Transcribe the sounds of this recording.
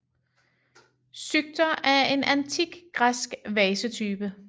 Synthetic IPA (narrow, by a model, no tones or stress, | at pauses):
syɡ̥̚d̥ɐæɐe̝nʔænt͡sʰiɡ̥ɡ̥ʁasɡ̥ʋɛːsət͡sʰyːb̥ə